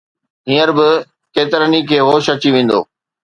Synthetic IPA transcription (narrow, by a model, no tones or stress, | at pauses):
ɦĩːəɾbɪ | keːt̪ɪɾənikʰeːɦoːʃɐt͡ɕiʋẽːn̆d̪o̰ː